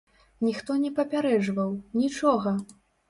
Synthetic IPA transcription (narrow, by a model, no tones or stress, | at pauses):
nʲixt̪ɔnʲɛpɐpʲaɾɛʐvɐwnʲit͡ʂɔɣɐ